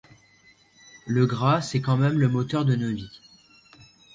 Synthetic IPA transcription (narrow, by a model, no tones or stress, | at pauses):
ləɡʁasɛkɑ̃mɛmləmot̪œʁd̪ənovi